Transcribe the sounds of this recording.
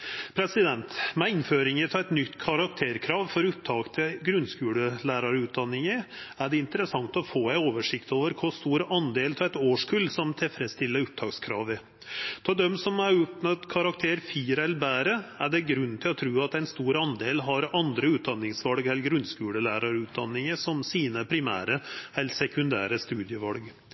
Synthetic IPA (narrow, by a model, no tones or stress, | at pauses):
pʰɾɛsɪd̪ɛnt̪mɛɪnføːɾɪŋət̪ʰɑɛt̪nʏt̪ːkʰɑɾɑkt̪ʰeːɾkʰɾɑːʋfɔɾʉp̚t̪ʰɑːkt̪ʰɪlɡɾʉnskʉːləlæːɾɑɾʉːt̪̚d̪ɑnːɪŋəæɖɛɪnt̪əɾəsɑŋt̪ɔfoːæɪoːʋəʂɪkt̪oːʋəɾkʰɔst̪uːɾəʔɑnd̪eːlt̪ʰɑɛt̪oːʂkʰʉlsɔmt̪ʰɪlfɾɛst̪ɪlːəɾʊp̚t̪ʰɑːkskʰɾɑ̰ːʋɪ | t̪ʰɑːd̪ɛmsɔmæʉpnɑt̪kʰɑɾɑkt̪ʰeːɾfiːɾəɛlɾbæːɾəæɖɛɡɾʉnːt̪ʰɪlɔt̪ʰɾʉːɑt̪ɛɪnst̪uːɾɑnd̪eːlɦɑɾɑnd̪ɾəʉːt̪̚d̪ɑnːɪŋsʋɑlɡɛlːɡɾʉnskʉːləlæːɾɑɾʉːt̪̚d̪ɑnːɪŋəsɔmsiːnəpʰɾɪmæ̰ːɾəɛlsɛkʉnd̪æ̰ːɾəst̪ʉːd̪jəʋɑlɡ